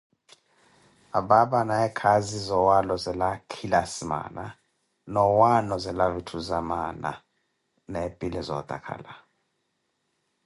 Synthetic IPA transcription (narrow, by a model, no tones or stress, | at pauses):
aɓaɓanaɛkʰazizɔwalɔzɛlakʰilasima̰na | nɔwanɔzɛlavitʰuzamana̰ | nepʼilɛzɔ̰d̪̥ʱʼa̰kʰa̰la